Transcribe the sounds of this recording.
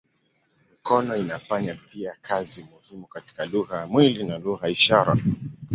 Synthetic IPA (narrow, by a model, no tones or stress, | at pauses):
mikɔnɔinafaɲapiakʰazimuhimukati̥kaluɣajamwilinaluɣaiʃaɾa̰